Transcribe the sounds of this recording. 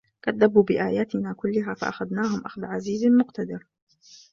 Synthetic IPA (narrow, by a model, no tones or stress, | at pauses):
kad̪ːabuːbɪʔaːjaːt̪ɪnaːkʊlːʊɦaːfa̰ʔaxaðnaːɦʊmʔaxd̪ʕaziːzmʊqt̪ad̪ɪɾ